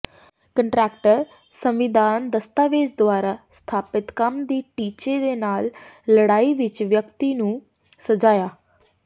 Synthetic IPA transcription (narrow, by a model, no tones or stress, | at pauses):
kəɳʈɾɛːkʈəɾ | səmʋɪd̪ʱaːnd̪əst̪aːʋeːd͡ʒd̪ʊaːɾaːst̪ʰaːpɪt̪kəmd̪iːʈiːt͡ʃeːd̪eːnaːlːəɽaːiːʋɪt͡ʃʋjəkt̪iːnũː | səd͡ʒaːjaː